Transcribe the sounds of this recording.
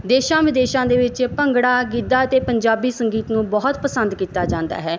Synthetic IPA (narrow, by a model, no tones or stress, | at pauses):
d̪eːʃãːʋɪd̪eːʃãːd̪eːʋɪt͡ʃpəŋɡɽaːɡɪd̪aːət̪eːpəɲd͡ʒaːbiːsəŋɡiːt̪nũːbɔɦʊt̪pəsənd̪kiːt̪aːd͡ʒãːnd̪a̰ːɦɛː